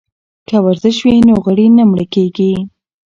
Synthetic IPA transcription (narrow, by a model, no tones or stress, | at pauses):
kəwaɾzɪʃwinoɣəɽinamɽəkeɡi